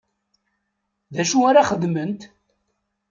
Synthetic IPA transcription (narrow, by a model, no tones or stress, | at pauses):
ðæʃuaɾaχəðmənt̪